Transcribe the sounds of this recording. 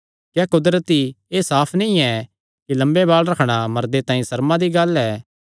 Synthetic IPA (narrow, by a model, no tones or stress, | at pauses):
kɛːkʊd̪ɾət̪i | eːsaːpʰnĩĩɛ | kilɐ̃mbeβaːlɾɐkʰɽ̃amɐɾd̪et̪ãːĩsɐɾmãd̪iɡɐlɛː